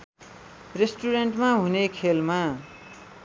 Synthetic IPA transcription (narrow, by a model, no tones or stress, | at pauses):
resʈuɾenʈmaɦunekʰelma